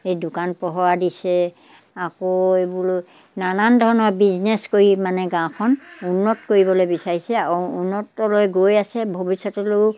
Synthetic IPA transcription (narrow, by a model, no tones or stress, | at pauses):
ejdʊkanpɔɦɔɹadisɛ | akoebulo | nanandʱɔɹɔnɔɹbiznɛskoɹimanɛɡãkʰɔnunːɔtkoɹibɔlojbisaɹisɛunːɔtːɔlojɡojasɛbʱobisːɔtɔlo